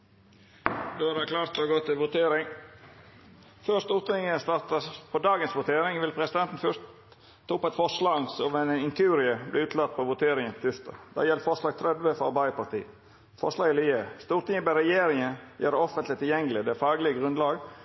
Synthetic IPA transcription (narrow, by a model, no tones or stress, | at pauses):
d̪oːæɾæklɑːɾt̪ɔɡɔt̪ʰːɪʋʊt̪eːɾɪŋ | føːɾʂst̪uːɾt̪ɪŋəst̪ɑɾt̪əpʰɔd̪ɑːɡənsʋʊt̪ʰeːɾɪŋʋɪlpʰɾɛsɪd̪ɛnt̪n̩fœʂt̪ʰː | ɑːpːɛt̪fɔʂlɑːŋsɔmɛnɪŋk̪ʰʉːɾɪəblɪʉːt̪ʰlɑt̪̚ːpʰɔʋʊt̪ʰeːɾɪŋənpt̪ʰʏst̪ɑ̰d̪̥æ̰jɛlt̪fɔʂɭɑːɡt̪ʰɾɛd̪ʋəfɔɑbɑɪəpɑɾt̪ʰḭːə | fɔʂlɑːɡɪliest̪uːɾt̪ɪŋəbæɾɛjeːɾɪŋənjøːɾɔfənt̪lɪt̪ʰːɪljɛŋəlɪd̪ɛfɑːɡlɪəɡʁʉnd̪lɑːɡ